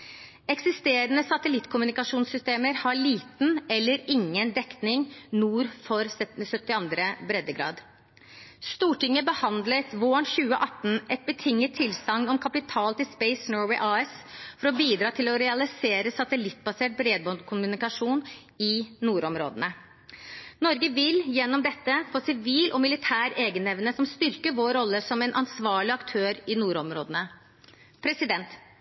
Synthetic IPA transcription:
ɛksɪst̪eːɾənəsɑt̪əlɪt̪ːkʰʊmʉnɪkɑʂuːnsʏst̪eːməɾhɑɭiːt̪n̩ɛlːəɾɪŋːənd̪ɛkt̪nɪŋnuːɾfɔɾsœt̪ːɪɑnd̪ɾəbɾɛd̪ːəɡɾɑ̰ːd̪ | st̪uːʈɪŋːəbəhɑnd̪lət̪ʋoːɳçʉːə̰ʔɑt̪ːn̩ʔɛt̪̚bət̪ʰɪŋːət̪ʰːɪlsɑŋːɔmkʰɑpɪt̪ʰɑːlt̪ɪlspɛɪsnøːwɛɪʔɑːɛsfɔɾɔbiːd̪ɾɑːt̪ʰɪlɔɾɛɑlɪseːɾəsɑt̪əlɪt̪ːbɑseːʈ̚bɾeːd̪bɔkʰʊmʉnɪkɑʂuːn | ɪnuːɾɔmɾo̰ːd̪ənə | nɔɾɡəʋɪljɛnːɔmd̪ɛt̪ːəfoːsɪʋiːlʔɔmɪlɪt̪ʰæːɾeːɡənɛʋnəsɔmst̪ʏɾkəɾʋoːɾɔlːəsɔmɛnʔɑnsʋɑːɭɪɑkt̪ʰøːɾɪnuːɾɔmɾo̰ːd̪ənə | pʰɾɛsɪd̪ɛnt̪

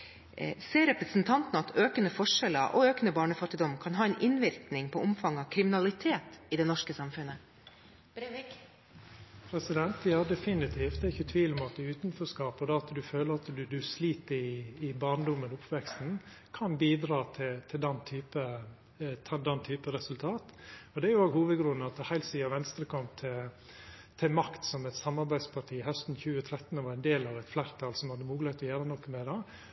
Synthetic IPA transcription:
seːɾɛpɾəsn̩t̪ʰɑnt̪nəɑt̪ʰøːkənəfɔʂɛlə̰ʔɔ̰øːkənəbɑːɳəfɑt̪ːɪd̪ɔmkʰɑnɦɑːɛnʔɪnʋɪɾknɪŋpʰɔʔʊmfɑŋːɑkʰɾɪmɪnɑlɪt̪ʰeːt̪ɪd̪ɛnɔʂkəsɑmfʉnə | pʰɾɛsɪd̪ɛnt̪ʋɪhɑd̪ɛfɪnɪt̪ʰiːft̪d̪ɛːɾɪçːət̪ʰʋiːlɔmɑt̪ʉːt̪nfɔskɑːpɔd̪ɛɑt̪d̪ʉføːləɾɑt̪d̪ʉd̪ʉsliːt̪əɾɪɪbɑːɳd̪ʊmːənʊpʰːʋɛkst̪n̩ | kʰɑnbiːd̪ɾɑːt̪ʰɪt̪ʰɪld̪ɛnːt̪ʰyːpə | t̪ʰd̪ɛnːt̪ʰyːpəɾɛsʉlt̪ʰɑːt̪ɔd̪ɛæɾjʊoːɡhuːʋəd̪ɡɾʉnəɑt̪əhæɪlsiːɑʋɛnst̪ɾəkʰɔmt̪ʰɪ | t̪ʰɪmɑkt̪sɔmɛt̪sɑmɑɾbæɪd̪spʰɑʈʰiːhœst̪n̩çʉːət̪ʰɾɛt̪ːn̩ɔʋɑɾɛnd̪eːlɑʋɛt̪flæːɾt̪ʰɑːlsɔmhɑd̪ːəmuːɡləɾt̪ɔjæːɾənɔkːəmɛd̪ɑ

